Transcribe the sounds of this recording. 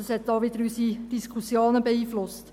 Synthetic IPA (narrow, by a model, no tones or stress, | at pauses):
əshɛt̚d̥ɑːʋɪd̪əɾysid̥iskʰusjoːnəbeiːflʊst